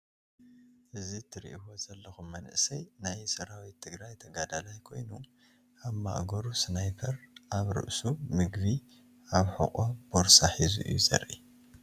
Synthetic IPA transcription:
ʔɨzit̪ʰɨɾḭʔbo̞zɐlːɐxumːɐnɨ̰ʔsɐjnajsɐɾawit̪ʰɨɡɾajt̪ʰɐɡad̪alajkʰo̞̰jnu | ʔaβma̰ʔɡoɾusnajpʰɐɾʔaβɾɨ̰ʔsumɨɡvi | ʔaβħɨ̰qʼob̥oɾsaħizṵʔɨ̰juzɐ̰ɾʔḭ

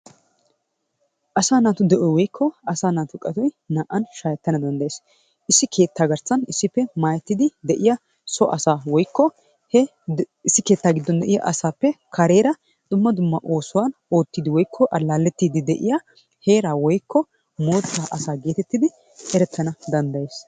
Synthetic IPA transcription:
ʔɐsaːnaːt̪ʊd̪ɛʔɔjwɔjkʰːɔɐsaːnaːt̪ʊkʼɐt̪ɔj | naːʔɐnʃajɛt̪ːɐnɐd̪ɐnd̪ɐeːs | ɪsːɪkʰe̞ːt̪ːaːɡɐɾsɐnɪsːɪpːɛmaːjɛt̪ːɪd̪ɪd̪ɛʔɪjɐ | sɔʔɐsaːwɔjkːɔ | ɪsːɪke̞ːt̪ːaːɡɪd̪ːɔnd̪ɛʔɪjɐ̰ʔɐsaːpːɛkʰɐɾeːɾɐ | d̪̥ʊmːɐd̪ʊmːɐʔo̞ːsʊwano̞ːt̪ːiːd̪ɪwɔjkʰːɔʔɐlaːlːɛt̪ːiːd̪ɪd̪ɛʔɪ̰jɐ | heːɾaːwɔjkːɔ | moːt̪ːaːʔɐsaːɡe̞ːt̪ɛt̪ːɪd̪ɪ | hɛɾɛt̪ʰːɐnɐd̪ɐnd̪ɐje̞ːs

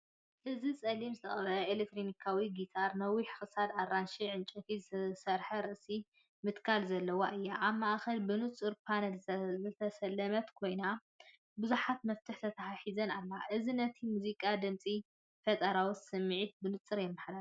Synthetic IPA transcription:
ʔɨzit͡sʼɐlimzɨt̪ʰɐχʼɐβɐlɐelek̚t̪ʰɾonikʰawiɡit̪ʰaɾnɐwiħxɨsad̪arːanʃiʕɨnt͡ʃʼɐfizɨsɐɾħɐɾɨʔsi | mɨt̪kʰalzɐlːɐwaʔɨjːaʔaβmaʔxɐlbɨnɨt͡sʼɨɾpʰanɐlzɨt̪ʰɐsɐlːɐmɐt̪kʰo̞jna | bɨzuħat̪mɐft̪ʰɨħt̪ʰɐt̪ʰaħaħizɐnalːaʔɨzinɐt̪ʰimuzikʼad̪ɨmt͡sʼi | fɐt̪ʼɐɾawut̪sɨmːɨʕit̪̚bɨnɨt͡sʼɨɾjɛmːɨħɾa

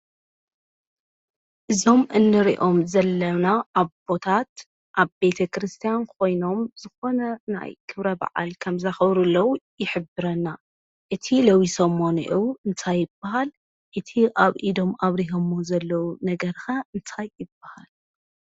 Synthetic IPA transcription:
ʔɨzo̞mʔɨnːɨɾḭʔo̞mzɐlːɐnaʔaβb̥o̞t̪ʰat̪ | ʔaβbe̞t̪ʰɐkɾɨst̪ʰijankʰo̞jno̞mzɨxo̞nɐna̰jkʰɨβɾɐba̰ʕa̰lkʰɐmzaxɐβɾulːɐwujɪħɨbɨɾɐnːa | ʔɨt̪ʰilɐwisomːonḭʔiwɨnt̪ʰajːɪbːaɦal | ʔɨt̪ʰiʔaβʔid̪o̞maβɾiɦomozɐlːɐwunɐɡɐɾxaɨnt̪ʰajːɪb̥ːahal

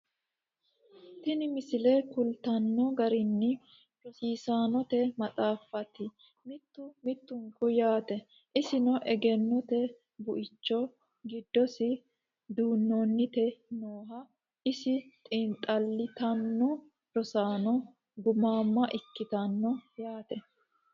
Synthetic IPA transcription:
t̪ɪnɪmɪsɪlɛkʊlt̪ɐnːɔɡɐɾɪnːɪ | ɾɔsiːsaːnɔt̪ɛmɐt͡sʼaːfːɐt̪ɪ | mɪt̪ːʊmɪt̪ːʊŋkʊjaːt̪ɛ | ʔɪsɪnɔʔɛɡɛnːɔt̪ɛ | bʊʔɪt͡ʃːɔ | ɡɪd̪ːɔsɪ | d̪uːnːonːɪt̪ɛnoːɦɐ | ʔɪsɪt̪ʼɪnt̪ʼɐlːɪt̪ɐnːɔ | ɾɔsaːnɔ | ɡʊmaːmːɐʔɪkːɪt̪ɐnːɔjaːt̪ɛ

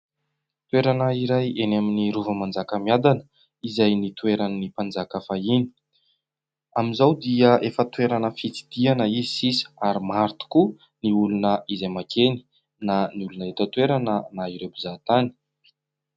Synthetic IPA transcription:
t̪weɾanəiɾajenaminiɾuvəmand͡zakəmiad̪anə | izajnit̪ueɾannipand͡zakafaini̥ | amizawd̪iəʔefət̪weɾanəfit͡si̥d̪̥ianəizisisə̥aɾimaɾt̪u̥ku | niulunəizajmakʰeni̥ | naniulunəet̪ət̪weɾanənaiɾebuzat̪ani̥

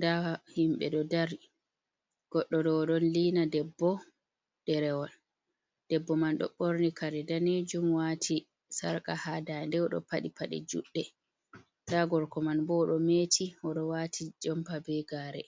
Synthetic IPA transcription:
ndahimɓɛ̰ɗɔdaɾi | ɡ̥ɔɗːɔɗɔːɗɔnliːnadɛbːɔ | dɛɾɛwɔl | d̥ɛbːɔmanɗɔ̰ɓoɾnikaɾɛdaned͡ʒumwaːtʰi | sa̰ɾkahadandɛɔɗɔ̰paɗipaɗɛ̰d͡ʒṵɗːɛ | taɡɔɾkɔmanbɔɗɔmetʰiɔɗɔwatʰid͡ʒɔmpabɛɡaːɾɛ̰

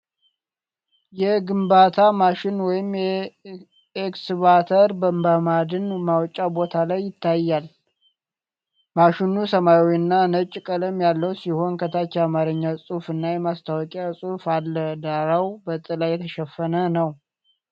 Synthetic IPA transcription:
jɛɡɨmbat̪ʰamaʃɪnwɔjɪmjɛ | eksβat̪ʰəɾbəmbamad̪ɨnmawt͡ʃʼːabot̪ʰalajːɪt̪ʰːajːal | maʃɪnusəmajwiɨnːanət͡ʃʼːkʼələmjalːəwsiho̞nkʰət̪ʰat͡ʃːɛamaɾəɲːasʼufɨnːajɛmast̪ʰawɔkʼasʼufalːəd̪aɾawbət̪ʼɨlajɛt̪ʰəʃɛfːənənəw

